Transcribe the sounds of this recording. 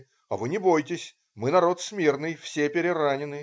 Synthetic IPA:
ɐ̰vɨnʲɪbo̞jtʲɪsʲ | mɨnɐɾo̞t̪smʲernɨjfsʲepʲɪɾʲɪɾanʲɪnɨ

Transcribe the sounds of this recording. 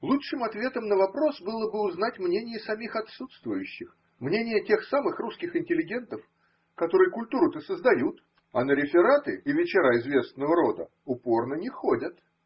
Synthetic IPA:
lˠuʂɨmɐt̪vʲe̞t̪əmnəvɐpɾo̞sbɨlˠəbɨʊznatʲmnʲenʲɪjəsɐmʲixɐt̪sut̪st̪vʊjʉɕːɪx | mnʲenʲɪjətʲe̞xsamɨxruskʲɪxɪnʲtʲɪlʲɪɡʲe̞nt̪əf | kɐt̪o̞ɾɨjkʊlʲt̪uɾʊt̪əsəzd̪ɐjut̪ | ɐnəɾʲɪfʲɪɾat̪ɨʔɪvʲɪt͡ɕɪɾaɪzvʲe̞snːəvəɾo̞d̪ə̰ | ʊpo̞rnənʲɪxo̞dʲət̪

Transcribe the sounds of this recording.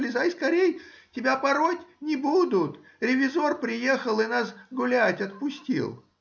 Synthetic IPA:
lʲɪzaɪskɐɾʲejtʲɪbʲapɐɾotʲnʲɪbud̪ʊt̪ | ɾʲɪvʲɪzo̞rpɾʲɪje̞xəlˠɨnasɡʊlʲætʲɐt̪pʊsʲtʲḭlˠ

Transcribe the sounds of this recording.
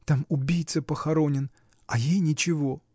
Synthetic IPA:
t̪amʊbʲijt̪səpəxɐɾo̞nʲɪn | ɐjejnʲɪt͡ɕɪvo̞

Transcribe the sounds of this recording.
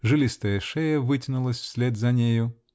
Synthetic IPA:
ʐɨlʲist̪əjəʂɛjəvɨtʲɪnʊlˠəsʲfsʲlʲed̪zɐnʲejʊ

